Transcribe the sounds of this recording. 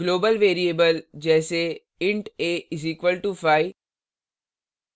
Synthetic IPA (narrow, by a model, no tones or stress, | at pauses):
ɡloːbəlʋeːɾieːbəld͡ʒɛːse | ɪ̃ɳʈeɪziːkʋəlʈufaːɪ